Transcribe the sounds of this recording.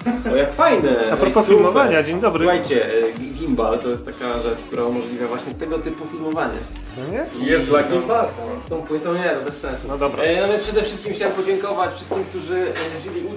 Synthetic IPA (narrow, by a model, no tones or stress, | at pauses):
ɔjakfajnɛapɾɔpɔsfilmɔaɲad͡ʑeɲd̪ɔbɾɨuxajt͡ɕɛɡʲimbalt̪ɔjɛst̪t̪ːakaʐɛt͡ʂkt̪uɾaumɔʐlʲivʲjavwaɕɲɛt̪ɛɡɔt̪ɘpufʲilmɔvaɲa̰ | sɔɲɛjɛst̪d̪laɡʲimbalsst̪ɔ̃w̃pwɘt̪ɔ̃w̃ɲɛt̪ɔbɛssɛ̃nsunɔd̪ɔbɾanɔvʲj̃nspʂɛd̪ɛfʂɘst̪̚kʲimxt͡ɕawɛmpɔd͡ʑɛŋkɔvat͡ɕfʂɨst̪̚kʲimk̚t̪uʐɘd͡ʑelʲi